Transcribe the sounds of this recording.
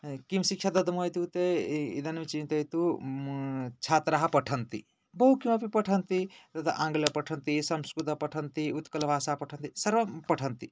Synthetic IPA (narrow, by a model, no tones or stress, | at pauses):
kimsikʰʃʰjad̪ɐd̪mojt̪ut̪eḭd̪ɐnmit͡ʃint̪ɐjt̪u | t͡ʃʰat̪ɾaɦapəʈʰənt̪ḭ | bəɦukimɐpipəʈʰənt̪it̪ɐt̪a̰ʔãːŋɡlɐpəʈʰənt̪isɐmskɾut̪ɐpɐʈʰənt̪iut̪kɐlbʱaːsapɐʈʰənt̪isɐɾʋəpɐʈʰənt̪i